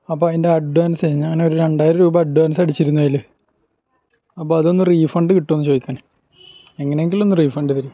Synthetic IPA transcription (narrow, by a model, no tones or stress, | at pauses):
ɐpːoendeɐɖɖaːnɐseɲːaɐŋːɐneoɾuɾeɳɖaːjɾɾuːbɐɐɖːuaːnɐs̬ɐɽit͡ɕːiɾunːuɐilɨ | ɐpːoːɐðo̞nːɨriːfɐɳɖɨkiʈːonːɨt͡ɕo̞ːd̪ikʲːaːn | e̞ŋːɐneeŋɡilo̞nːɨriːfɐɳɖɨt̪iɾija